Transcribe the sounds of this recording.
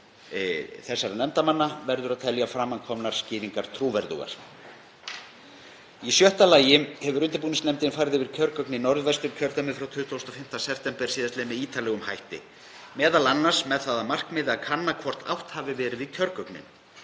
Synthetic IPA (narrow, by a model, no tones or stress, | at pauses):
θɛsːaɾanɛmt̪amanːavɛɾðʏɾaðt̪ʰɛljafɾamːankʰɔmnaɾ̥scɪːviŋkaɾ̥t̪ʰɾuːvɛɾðṵɣa̰ɾ̥ | isjœht̪alaːjɪhɛvʏɾʏnt̪ɪpuːnɪsnɛmt̪ɪnfaːjɾɪðɪvɪɾ̥cʰœɾkœknɪnɔɾðvɛst̪ʏmcʰœɾt̪ɛmʏfɾawt̪ʰʏːt̪ʰowst̪ɔfɪm̥t̪asɛpt̪ɛmpɛɾ̥siːðast̪lɛmɪðiːt̪alɛɣʏmhajht̪ɪ̰ | mɛːðalanːasmɛðθaðamar̥kmɪːðɪakʰanːakʰɔr̥t̪a̰wht̪havɪvɛːɾɪðvɪcʰœɾkœknɪ̰n